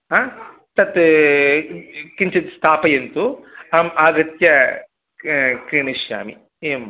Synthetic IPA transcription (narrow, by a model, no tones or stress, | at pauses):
aː | t̪ɐt̪ | kiɲt͡ʃit̪st̪ʰaːpɐjent̪uamaːɡɐt̪jɐ | kɾiːɳiʃja̰ːmḭ | eːm